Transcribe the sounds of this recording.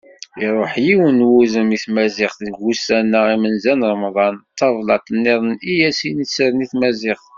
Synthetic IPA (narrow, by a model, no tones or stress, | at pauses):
iɾˤoħjiwənwuzəmiθmæzɪχθðəɡusænːəʁimənzænlmðˤɑnt̪ːɑvˤlɑt̪ːənːiðˤənijæsinisəɾəniθmæzɪχ